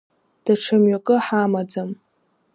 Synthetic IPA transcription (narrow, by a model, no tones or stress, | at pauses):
d̥aʈ͡ʂʰamɥakʼɨħamad͡zam